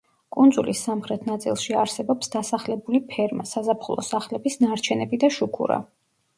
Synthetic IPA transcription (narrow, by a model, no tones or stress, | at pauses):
kʼund̪zulisːamχɾɛt̪ʰnat̪sʼḭlˠʃiaɾsɛbɔpsd̪asaχlɛbulipʰɛɾmasazapʰχulˠɔ̰saχlɛbisnaɾt͡ʃʰɛnɛbid̪aʃukʰṵɾa̰